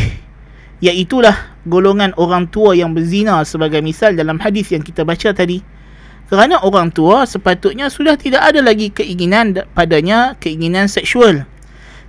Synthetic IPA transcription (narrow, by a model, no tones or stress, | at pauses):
jaʔit̪ulah | ɡoloŋãnoɾaŋt̪uajaŋbərzinasəbaɡajmisaldalamhadɪθjaŋkit̪abat͡ʃat̪adi | kəɾanãʔoɾaŋt̪uasəpat̪ʊt̪̚ɲasudaht̪idaʔadalaɡikəiŋinãnpadaɲãkəiŋinãnsɛk̚sual